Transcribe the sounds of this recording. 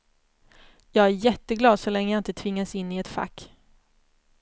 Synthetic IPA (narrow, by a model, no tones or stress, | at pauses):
jɑːɡæɾjɛt̪ːəɡlɑːd̪sɔlɛŋːəjaɪnt̪ət̪ʰvɪŋːasɪnːɪɛt̪fa̰k